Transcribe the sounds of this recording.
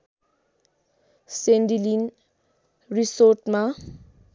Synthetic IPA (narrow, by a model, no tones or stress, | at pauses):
sɛndilin | risɔtma